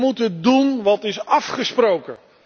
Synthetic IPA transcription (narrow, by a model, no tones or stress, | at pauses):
mutəndunʋɑtɪsɑfχəsprowkə